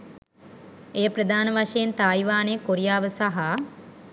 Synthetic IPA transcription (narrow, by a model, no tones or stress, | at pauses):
ejəprəd̪ʱaːnəʋaʂejent̪aːjʋaːnejkoɾijaːʋəsaɦa